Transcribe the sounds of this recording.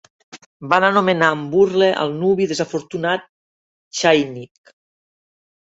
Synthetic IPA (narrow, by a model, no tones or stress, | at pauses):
banənumenaːmburleʔə̰lˠnuβiðezafuɾt̪unat̪̚ | t͡ʃajnik